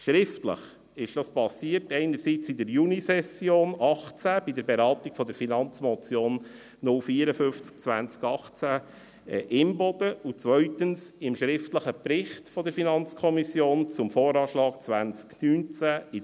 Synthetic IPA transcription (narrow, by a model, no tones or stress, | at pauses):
ʃɾɪftlə̰χ | ɪʃd̥ɑspɑsiərtɛɪnəɾsit͡sɪdəɾjunisɛsjoːnɑχt͡sæb̥idəɾbeɾɑːt̪iɡ̥fɔd̪əɾfinɑnt͡smɔt͡sjoːnː | ʊlfiːəɾəfʏft͡sk̚t͡sʋæ̰nt͡skɑχt͡sæ | ʔɪmbɔd̪̥əut͡sʋœʏtənsɪmʃɾɪftləχəpɾɪχtfɔd̪əɾfinɑnt͡skʰɔmisjoːnt͡sʊmfoːɾɑːʃlɑːk̚t͡sʋænt͡sknynt͡sæi